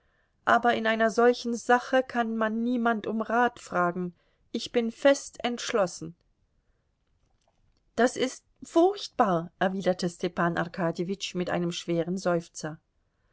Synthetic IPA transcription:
ʔaːbɐɪnaɪnɐzɔlçn̩zaχəkʰanmanːiːmantʊmʁaːtfʁ̥aːɡŋ̩ | ʔɪçb̥ɪnfɛstɛntʃlɔsn̩ | d̥asɪst | fʊʁçt̚b̥aːɐʔɛɐviːdɐtʰəstʰɛpaːnʔa̰ʁkʰaːdjevɪt͡ʃmɪtʔa̰ɪnəmʃv̥eːʁənzɔʏft͡sɐ

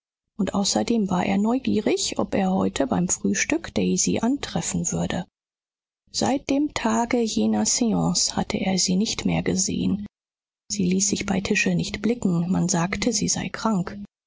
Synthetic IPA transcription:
ʔʊntʔaʊsɐdeːmvaːɐʔḛːɐnɔʏɡiːʁɪçʔɔ̰peːɐhɔʏtʰəbaɪmfʁ̥yːʃtʏkd̥ɛɪzḭːʔantʁ̥ɛfn̩vʏɐdə | z̥a̰ɪt̚d̥eːmtʰaːɡəjeːnɐseɑ̃sha̰tʰəʔḛːɐziːnɪçtmḛːɐɡəzḛːən | z̥iːliːsz̥ɪçb̥aɪtʰɪʃənɪçtb̥lɪkŋ̩manzaːktʰəziːzaɪkʁ̥aŋk

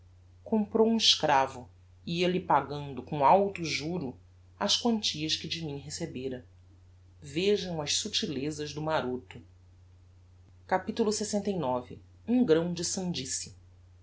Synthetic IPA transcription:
kõmpɾowũɪʃkɾavʊ | iiɐlɪpaɡɐ̃nd̪ʊkõawt̪uʒuɾu | ɐʃkwɐ̃nt͡ʃiɐʃkɪd͡ʒɪmĩɦesebeɾɐ | veʒɐ̃w̃ɐʃsut͡ʃilezɐʒd̪ʊmaɾot̪ʊ | kapit̪ulʊsesẽnt̪ejnɔvɪ | ũɡɾɐ̃w̃d͡ʒɪsɐ̃d͡ʒisi

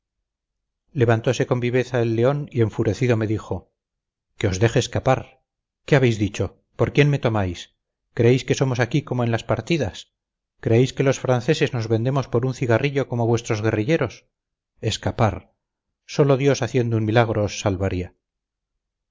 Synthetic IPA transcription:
le̞βant̪o̞se̞ko̞mbiβe̞θaelːe̞o̞nie̞ɱfuɾe̞θiðo̞me̞ðixo̞ | ke̞o̞zðe̞xeːskapaɾ | ke̞aβe̞jzðit͡ʃo̞ | po̞ɾkje̞nme̞t̪o̞majs | kɾeejske̞so̞mo̞sakiko̞mo̞enlaspaɾt̪iðas | kɾe̞ejske̞lo̞sfɾanθe̞se̞zno̞zβe̞nd̪emo̞spo̞ɾunθiɣariʎoko̞moβwe̞st̪ɾo̞zɣe̞riʎe̞ɾo̞s | e̞skapaɾ | so̞lo̞ðjo̞saθje̞nd̪ounmilaɣ̞ɾoːsːalβaɾia

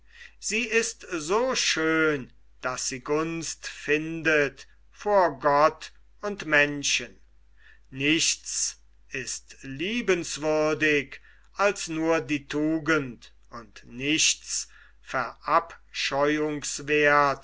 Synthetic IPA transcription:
z̥iːɪstzoːʃøːn | d̥asz̥iːɡʊnstfɪndət | foːɐɡɔt | ʊntmɛnʃən | nɪʃts | ʔɪstliːbənsv̥ʏɐdɪk | ʔalsnuːɐdiːtʰuːɡənt | ʔʊntnɪʃts | fɛɐʔapʃɔʏʊŋsveɐt

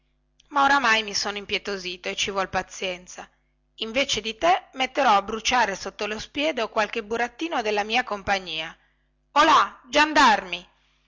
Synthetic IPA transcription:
maoɾamajmisoːnoimpjet̪oziːt̪oet͡ʃːivɔlpat̪sːjɛnt̪sa | iɱveːt͡ʃed̪it̪emet̪ːeɾɔabːɾut͡ʃaːɾesot̪ːolospjɛːd̪okwalk̟ebuɾat̪ːiːnod̪elːamiːakompaɲːiːa | olad͡ʒand̪armi

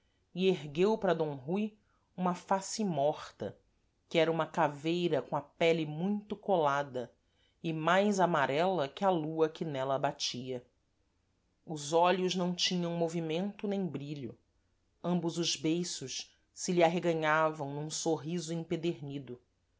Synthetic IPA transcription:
ɪeɦɡewpɾɐd̪õw̃ɦuj | ũmɐfasɪmɔχt̪ɐ̰ | kɪɛɾɐũmɐkavejɾɐkõɐpɛlɪmũj̃t̪ʊkolad̪ɐ | ɪmajzamaɾɛlɐkɪaluɐkɪnɛlɐbat͡ʃiɐ | ʊzɔʎʊznɐ̃w̃t͡ʃĩɲɐ̃w̃movimẽnt̪ʊnẽj̃bɾiʎʊ̰ | ɐ̃mbʊzʊzbejsʊʃ | sɪliaɦeɡɐ̃ɲavɐ̃w̃nũsoɦizʊĩped̪eɾnid̪ʊ

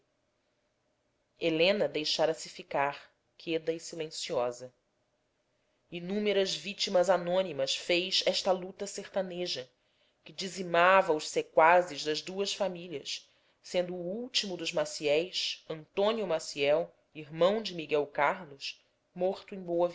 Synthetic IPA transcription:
elẽnɐd̪ejʃaɾɐsɪfikaχ | kʰed̪ɐisilẽsiɔzɐ | inũmeɾɐzvit͡ʃimɐzanõnimɐʃfejʃɛʃt̪ɐlut̪ɐseɾt̪aneʒɐ | kɪd͡ʒizimavɐʊʃsekwazɪʒd̪ɐzd̪uɐʃfamiʎiɐʃ | sẽnd̪ʊːuwt͡ʃimʊd̪ʊʒmasiɛjʃɐ̃nt̪õniumasiɛw | iɦmɐ̃w̃d͡ʒɪmiɡɛwkaɾlʊʃ | moχt̪ʊẽj̃bowɐv

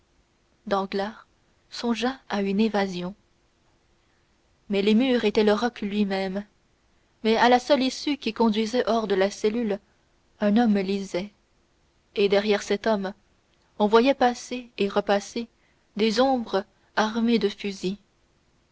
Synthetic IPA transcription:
d̪ɑ̃ɡlaːʁ | sɔ̃ʒaaynevazjɔ̃ | mɛlemyʁet̪ɛləʁɔklɥimɛm | mɛalasœlisykʲikɔ̃d̪ɥizɛʔɔʁd̪əlasɛlyl | ɛ̃nɔmlizɛ | ed̪ɛʁjɛʁsɛt̪ɔm | ɔ̃vwajɛpaseːʁəpase | d̪ezɔ̃bʁə | aʁmed̪əfyzi

